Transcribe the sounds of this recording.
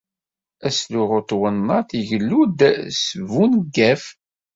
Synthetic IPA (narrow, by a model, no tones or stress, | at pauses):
æsluʁot̪ˤwənːɑθiʝlːud̪səvunɡːæf